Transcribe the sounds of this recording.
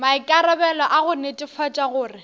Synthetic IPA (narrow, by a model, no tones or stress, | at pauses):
maɪkʼaɾɔbɛlɔʔaɣʊnetʼɪfʰɔt͡ʃʼaɣʊːrɪ